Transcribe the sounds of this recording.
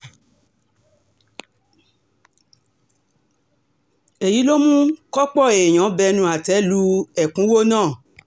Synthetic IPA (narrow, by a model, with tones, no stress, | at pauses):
e˨ji˨˦lo˦mũ˦kɔ˦k͡pɔ˦˨e˨j̃ã˨˦bɛ˧nũ˧˦a˨tɛ˨˦lu˧˦ɛ˨kũ˨˦wo˦nãː˦˨